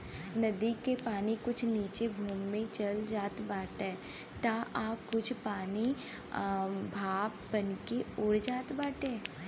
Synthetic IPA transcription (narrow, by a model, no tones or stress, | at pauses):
nɐd̪ikepaːnikʊt͡ʃʰniːt͡ʃebʱuːmːẽt͡ʃɐld͡ʒaːt̪baːʈɛː | t̪aʔaːkʊt͡ʃʰpaːni | bʱaːbbɐnkeʊɽd͡ʒaːt̪baːʈẽː